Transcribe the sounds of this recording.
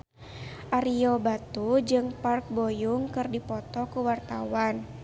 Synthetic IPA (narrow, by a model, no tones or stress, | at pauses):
ʔaɾiɔbat̪ud͡ʒɨŋpark̚bojuŋkɨrdipɔt̪ɔkuwart̪awan